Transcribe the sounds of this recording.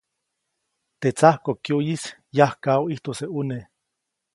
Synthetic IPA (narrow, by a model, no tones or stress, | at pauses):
t̪et͡sahkokjujisjahkawiht̪oseune